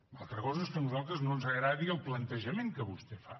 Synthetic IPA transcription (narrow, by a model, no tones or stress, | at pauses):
alˠt̪ɾəkɔzəeskənuzalˠt̪ɾəznonzəɣɾaðiəlˠplənt̪əʒəmeŋkəβust̪efa